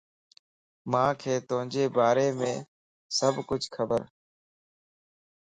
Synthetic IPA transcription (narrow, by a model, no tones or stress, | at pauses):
mãːkʰeːt̪ʊɦə̃d͡ʒeːbaːɾeːmẽː | səbʱkʊt͡ʃkʰəbəɾ